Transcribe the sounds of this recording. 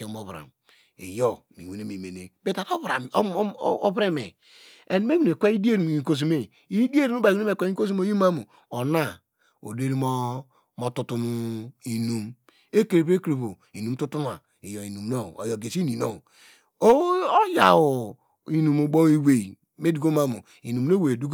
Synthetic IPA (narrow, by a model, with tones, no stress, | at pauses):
ke˨˦mo˨βɾa̰˨m | ḭ˨jo˦˨mḭ˨we˨ne˨˦me˨me˨nḛ˨be˦ta˨ko˦βɾa˨˦bɾe˦me˨ | e˨n˦me˦wi˨ne˨kʷe˦i˦di˦e˦ɾi˨i˨ko˨s̬i˨me˦˨ | i˦di˦e˦ɾi˦u˦ba˨˦u˦e˨kʷe˦ko˦s̬i˦mo˦ji˦ma˦mu˨ | o˨na˦˨ | o̰˨de˦ɾi˦mo˦ | mo˨tu˨tu˨nu˨i˨nu˨m | e˦ke˨ɾe˨pe˦kɾe˨βo˨ | i˨nu˨m˦tu˦tu˦n˦a̰˨ | i˨jo˨i˨nu˨mno˦˨o̰˨jo˨ɡe˨si˦ni˨no̰˦˨˦ | o˦ja̰˨wo˨ | i˨nu˨mo˨ɡ͡bo˦i˦we˨ | me˦du˨ɡo˦ma˦mṵ˨ | i˨nu˨m˦o˦we˨du˦ɡ